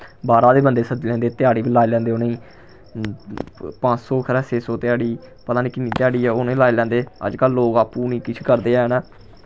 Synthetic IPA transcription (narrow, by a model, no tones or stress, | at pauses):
baːɾaːd̪eːbənd̪eːsəd͡ʒlɛ̃ːnd̪eːt̪ɪjaːɽiːbiːlaːelɛ̃ːnd̪eːonẽiː | pãːt͡ʃsoːkʰɾɛːseːsoːt̪ɪjaːɽiː | pət̪ãːniːkɪnːĩːt̪ɪjaːɽiːɛːonẽːlaːeːlɛ̃ːnd̪eːə̰d͡ʒkəlːoːɡaːpːuːniːkɪt͡ʃʰkəɾd̪eːɛːnãː